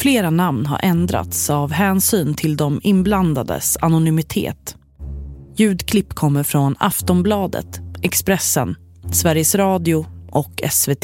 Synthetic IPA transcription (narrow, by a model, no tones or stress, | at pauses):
fleːɾanamnɦa̰ɾʔɛnd̪ɾa̰t̪savɦɛːnsyːnt̪ʰɪld̪ɔmɪnbland̪ad̪ə̰sanʊnʏmɪt̪ʰḛːt̪ | jʉ̟ːd̪kʰlɪpːkʰɔmːəɾfɾɔna̰ft̪ɔnblɑːd̪ə̰t̪ʔɛkspɾɛsːə̰n | svæɾjəsɾɑːd̪ɪʊʔɔkʰɛsveːt̪ʰː